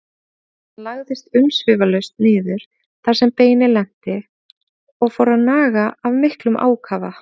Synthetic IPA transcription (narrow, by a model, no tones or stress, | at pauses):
anlaɣðɪst̪ʏmsvɪːvalœɥst̪̚nɪːðʏɾ̥ | θaɾ̥sɛmpeːjnɪlɛn̥t̪ɪ | ɔɣfowɾaðnaːɣaʔavmɪhklʏmʔa̰ːwkʰaːva